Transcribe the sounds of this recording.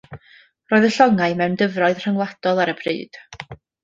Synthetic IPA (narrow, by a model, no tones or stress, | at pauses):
roːɨðəɬɔŋaɨmɛwndəvrɔɨðr̥əŋlˠad̥ɔlˠaɾəbrɨ̰ːd̥